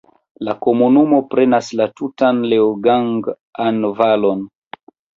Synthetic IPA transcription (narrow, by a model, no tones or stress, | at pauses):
lako̞munumo̞pɾe̞naslatutanleoɡaŋɡ | anvalo̞n